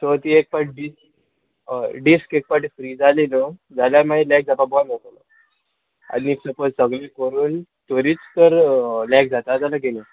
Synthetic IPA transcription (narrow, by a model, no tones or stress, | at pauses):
t̪ot̪iek̚paʈ̚ɖisk | ɖiskek̚paʈfɾiːd͡zalinəd͡zaljamaelɛk̚d͡zapabɔlmet̪alə̰ | a̰nisəpod͡zsəɡlekəɾuːnt̪əɾiːt͡st̪əɾlɛk̚d͡zat̪ad͡zanaɡene